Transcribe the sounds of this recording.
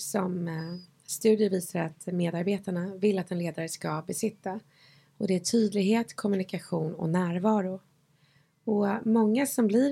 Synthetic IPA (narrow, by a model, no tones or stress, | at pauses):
sɔm | st̪ʉ̟ːd̪ɪjəviːsaɾat̪meːd̪aɾbeːt̪aɳavɪlːat̪ɛnleːd̪aɾəskabɛsɪt̪ːa | ɔd̪ɛæʈʰyːd̪lɪɡɦeːt̪kʰɔmɵnɪkaɧuːnɔ̰næːɾvɑːɾʊ | ɔmɔŋːasɔmblɪ